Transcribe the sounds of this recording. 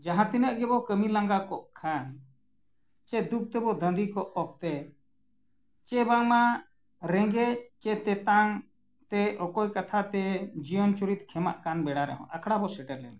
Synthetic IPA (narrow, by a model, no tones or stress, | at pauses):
d͡ʒaɦãt̪inəʔɡɛbɔkəmilãŋɡakɔʔkʰan | t͡ʃɛd̪uk̚t̪ɛbɔd̪ənd̪ikɔʔɔk̚t̪ɛ | t͡ʃɛbaŋma | ɾɛ̃ŋɡɛt͡ʃɛt̪ɛt̪aŋ | t̪ɛɔkɔjkat̪ʰat̪ɛd͡ʒijɔnt͡ʃuɾit̪kʰɛma̰ʔkanbɛɽaɾɛ̰ɦɔ̰̃ʔakʰɽabɔsɛʈɛɾlɛn